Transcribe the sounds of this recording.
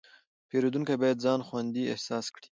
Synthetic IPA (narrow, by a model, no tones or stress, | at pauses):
peɾod̪uŋkajbɑjad̪zɑnxwand̪iɪ̰hsɑskɽi̥